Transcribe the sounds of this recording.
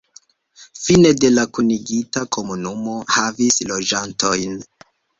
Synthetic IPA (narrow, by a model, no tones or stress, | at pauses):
fine̞de̞lakuniɡitakʰo̞munumo̞havislo̞d͡ʒantʰo̞jn